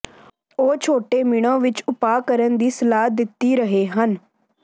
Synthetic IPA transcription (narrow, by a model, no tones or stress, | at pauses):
oːt͡ʃʰoːʈeːmiɽ̃õːʋɪt͡ʃʊpaːkəɾənd̪iːsəlaːd̪ɪt̪ːiːɾəɦeːɦən